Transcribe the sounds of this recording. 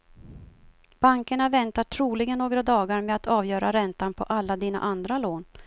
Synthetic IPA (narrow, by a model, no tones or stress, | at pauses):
b̥aŋkəɳavɛnt̪aʈʰɾuːlɪɡənːoːɡɾad̪ɑːɡaɾmɛat̪ʰɑːvjœːɾaɾɛnt̪anpʰɔ̰ʔalːad̪iːna̰ʔand̪ɾaloːn